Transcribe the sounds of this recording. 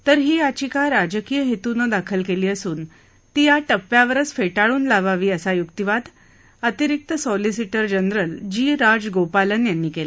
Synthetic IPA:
t̪əɾɦiːat͡ɕikaɾad͡ʑəkiːjəɦet̪unəd̪akʰəlkeliːəsuːn | t̪ijaʈəpːjaʋəɾət͡sfeʈaɭuːnlaʋaʋiːəsajukt̪iʋad̪ | ət̪iɾik̚t̪əsɔlis̬iʈəɾd͡ʑənɾəld͡ʑiːɾad͡zɡopalənjanːiːkela

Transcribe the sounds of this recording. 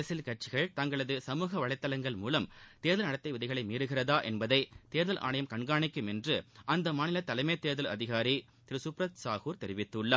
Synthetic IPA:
ɐsɪlkɐʈ̚t͡ʃɪɣɐɭt̪ɐŋɡɐɭɐðɯsɐmuːɣɐʋɐɭɐɪt̪ːɐlɐŋɡɐɭmuːlɐmt̪eːɾðɐlnɐɽɐt̪ːɐɪʋɪðɐɪɣɐɭɐɪmiːɾɯɣɪrɐðaːʔɛnbɐðɐɪt̪eːɾðɐlʔa̰ːɳɐjɐmkɐɳɡaːɳɪkːɯmɛndrɯʔɐnd̪ɐmaːnɪlɐt̪ːɐlɐɪmeːt̪eːɾðɐlɐðɪɣaːɾi | t̪ɪɾɯsʊpɾɐt̪saːɣuːɾt̪ɛɾɪʋɪt̪ːɯɭːɐ

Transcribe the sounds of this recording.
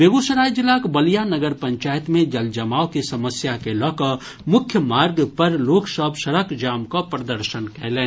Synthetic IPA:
beɡosəɾaːjd͡ʒɪlːakbəlijanəɡəɾpə̃ɲt͡ʃaːjət̪mẽd͡ʒəld͡ʒɐmaːokisɐməsjakelɔːkə | mʊkʰjəmaːɾɡpəɾloːksəbsəɾəkd͡ʒaːmkapɾəd̪əɾʃənkɛlẽː

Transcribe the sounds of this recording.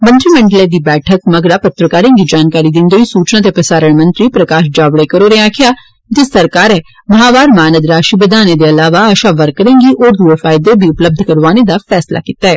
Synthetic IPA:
mə̃nt̪ɾimə̃ɳɖəleːd̪iːbɛːʈʰəkməɡɾaːpət̪ɾəkaːɾẽːŋɡid͡ʒaːnkaːɾid̪ɪnd̪oːisuːt͡ʃnãt̪̬epɾəsaːɾəɳ̃mə̃nt̪ɾiːpɾəkaːʃd͡ʒaːʋɽekəɾoːɾẽãːkʰɪjaː | d͡ʒɪsəɾkaːɾɛː | mɐɦaːʋaːɾmaːnəd̪ɾaːʃiːbəd̪aːned̪eɐlaːʋaːəʃaːʋəɾkːəɾẽːŋɡiʔoːɾd̪uːefʰaːɪd̪ebʱiʊpləb̚d̪ʱkəɾʋaːned̪aːfʰɛːsla̰ːkit̪aɛː

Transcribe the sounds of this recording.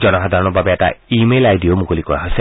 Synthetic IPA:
d͡ʒɔnɔɦad̪ʱaɾɔñɔbʱabeeʈa̰imelajd̪iomukulikɔa̰ɦɔse

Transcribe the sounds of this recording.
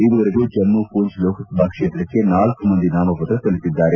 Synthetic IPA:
iʋɐʋɐɾiɡuːd͡ʒɐnmupuːɲt͡ʃloːkʰɐbʱaːkʂeːt̪ɾɐkːe̞naːlkumɐnd̪inaːmɐpɐt̪ɾɐk̪ɐlit̪id̪ːaːɾe

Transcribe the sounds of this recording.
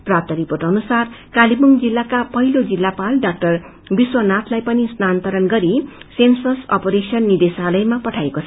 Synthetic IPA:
prap̚t̪ʌɾipoʈʌnusarkalibuŋd͡zilːakapʌɦilod͡zilːapalɖak̚ʈʌr | biswʌnat̪ʰlajpʌnisnant̪ʌɾʌnɡʌɾisensʌsʌ̰poɾesʌnːid̪esalʌjmapʌʈʰajekot͡sʰʌ

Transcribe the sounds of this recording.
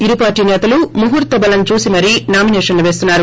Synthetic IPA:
iɾupaːɾʈːiːnɛːt̪ɐlumuɦuɾt̪ɐbɐlɐnt͡ʃuːsimɐɾinaːminɛːʂɐnluʋe̞ːst̪unːaːɾu

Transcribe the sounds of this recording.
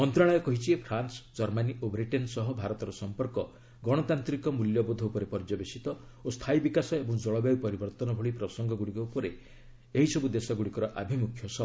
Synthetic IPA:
mɔnt̪ɾaɭɔjɔkɔɦit͡ʃʰiepʰɾansd͡ʒɔɾmaniʔobɾiʈensɔɦɔbʱaɾɔt̪ɔɾɔsɔmpɔɾkɔ | ɡɔɽ̃ɔt̪ant̪ɾikɔmuljɔbod̪ʱɔupɔɾepɔɾd͡ʒɔbesit̪ɔ | ost̪ʰaibikasɔebɔŋd͡ʒɔɭɔbjaupɔɾibɔɾt̪ɔnɔbʱɔɭipɾɔsɔŋɡɔɡuɽikɔupɔɾe | eɦisɔbud̪esɔɡuɽikɔɾɔʔa̰bʱimukʰːjɔsɔ

